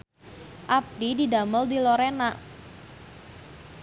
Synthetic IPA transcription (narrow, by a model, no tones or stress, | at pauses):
ʔap̚t̪idida̤məldiloɾenaʔ